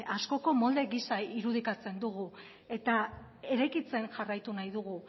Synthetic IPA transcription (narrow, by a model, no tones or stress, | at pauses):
asko̞ko̞mo̞ld̪e̞ɣisaiɾuð̞ikat͡se̞nd̪uɣ̞u | e̞t̪a | e̞ɾajkit͡se̞nʝarajt̪unajðuɣu